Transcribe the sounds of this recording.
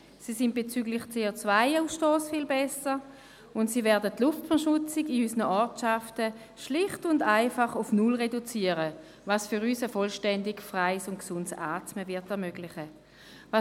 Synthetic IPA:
siːsɪnt̚b̥et͡syːɡlɪχt͡seːot͡svaɪuːsʃtoːsfiːlbɛsə | ʊntsiːvɛɐdətlʊftfɛɐʃʊt͡sɪɡiysnəʔɔɐtʃaftə | ʃlɪχtʊndaɪfaχʊfnʊlʁedut͡siəʁə | vɑsfʏʁysəfɔlʃtɛndɪkfʁaɪsʊntksʊntsaːtməvɪɐtɛɐmøɡlɪχə | vɑ

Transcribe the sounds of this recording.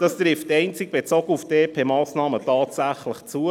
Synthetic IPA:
d̥ɑst̪ɾɪftɛɪnt͡sɪɡ̚b̥et͡soːɡəufteːpʰeːmɑːsnɑːmətɑːtsæχləχt͡suə

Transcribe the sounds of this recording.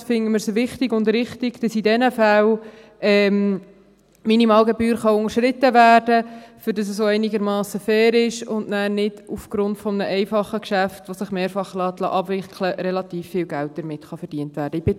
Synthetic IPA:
fɪŋəmɪɾsoʋɪχtɪɡʊndɾɪχtɪɡ̥d̥ɑsidɛnəfæl | ɛːm | minimɑːlɡebyːɾχɑʊŋəɾʃɾɪtəʋæːrd̥əfʏɾdɑs̬əsoɛɪniɡəɾmɑːsəfɛːɾɪʃʊndnæːɾnɪd̥ufɡ̥ɾʊntfɔmənəʔɛɪfɑχːəkʃæftʋosəχmeːɾfɑχlɑːt̪lɑ̰ːʔɑbvɪkʰləɾɛlɑtiːfːɪːlɡælt̚d̥əɾmɪtχɑfəɾd̥iəntʋæːɾd̥əɪbɪ

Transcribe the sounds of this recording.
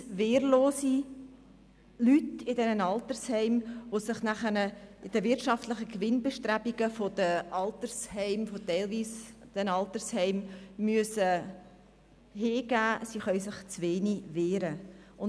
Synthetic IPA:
veːrloːsi | lytɪdɛnənɑlt̪əɾshɛɪmʋosɪχnæχənəɪd̥əvɪɾtʃɑftləχəkʋɪnbeʃtræbiɡəfodəʔɑlt̪əɾshɛɪmfotɛɪlviːsd̥ɛnɑlt̪əɾshɛɪmːyəsə | ɦeːɡ̥æːsiχœʏsɪχt͡sʋeːniveːɾəʊn

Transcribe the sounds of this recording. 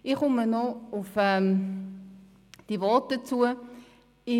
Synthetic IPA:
ɪχʊmənɔʊfɛm | d̥ivɔt̚dət͡suə | ɪ

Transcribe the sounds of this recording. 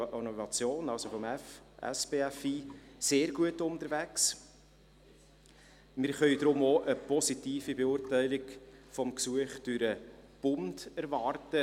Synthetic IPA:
ʔonovɑt͡sjoːnɑlsofɔmɛfɛ̰sb̥eɛfiːseːɾɡ̥uətʊntəɾvæks | mɪɾχœʏd̥ɾʊmoʔəpɔsitiːfibeʊɾtæɪlɪɡfɔmksuəχd̥yɾəb̥ʊndæɾvɑːrtə

